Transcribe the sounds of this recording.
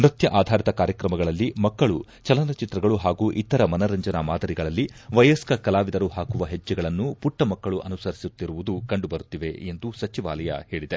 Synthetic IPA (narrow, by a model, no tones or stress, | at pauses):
nɾɐt̪jɐʔaːd̪ʱaːɾit̪ɐkaːɾjɐkɾɐmɐɡɐɭɐlːimɐkːɐɭu | t͡ʃɐlɐnɐt͡ʃit̪ɾɐɡɐɭuɦaːɡuːʔit̪ːɐɾɐmɐnɐɾɐɲd͡ʒɐnɐmaːd̪ɐɾiɡɐɭɐlːiʋɐjɐskɐkɐlaːʋid̪ɐɾuhaːkuʋɐɦed͡ʒːɛɡɐɭɐnːupuʈːɐmɐkːɐɭuʔɐnusɐɾisut̪ːiɾuʋud̪ukɐɳɖubɐɾut̪ːiʋe̞end̪usɐt͡ʃiʋa̰ːlɐjɐ̰he̞ːɭid̪e